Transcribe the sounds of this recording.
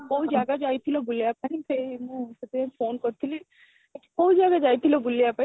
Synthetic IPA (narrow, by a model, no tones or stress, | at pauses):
kɔud͡ʒaːɡad͡ʒaːit̪ʰilobulijapanipʰemũset̪efʰoːnkɔɾt̪ʰili | ekkɔud͡ʒaːɡad͡ʒaːit̪ʰilobulijapai